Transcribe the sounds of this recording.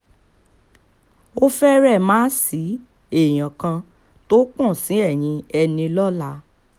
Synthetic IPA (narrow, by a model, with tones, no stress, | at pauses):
o˦fɛ˦ɾɛ˦˨mãː˦si˨˦ | e˦˨j̃ã˨kã˧ | to˦k͡pɔ̃˦˨sĩ˨˦ɛ˦˨j̃ĩ˧ɛ˧nĩ˧lɔ˦la˨˦